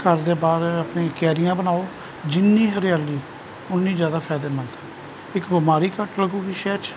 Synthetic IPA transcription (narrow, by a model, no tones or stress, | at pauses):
kəɾd̪eːbaːd̪əpnẽːkɛːɾɪjãːbənaːoː | d͡ʒɪnːiːɦəɾjaːliː | ʊnːĩːd͡ʒjaːd̪aːpʰɛːd̪eːmənd̪ | ɪkbɪmaːɾiːkəʈləɡũːɡiːʃɛːt͡ʃ